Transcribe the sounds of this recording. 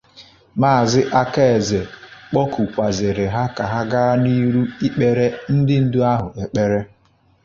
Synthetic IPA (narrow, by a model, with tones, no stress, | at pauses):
maː˦a˨zɪ˦ʔa˦ka˦e˨ze˨k͡pɔ˦ku˨kʷa˨zɪ˨ɾɪ˨ɦa˦ka˨ɦa˦ɡa˦a˦ni˦ɾu˦i˦k͡pe˦ɾe˦n̩˦dɪ˦n̩˦dʊ˦a˦ɦʊ˨e˨k͡pe˦ɾe˦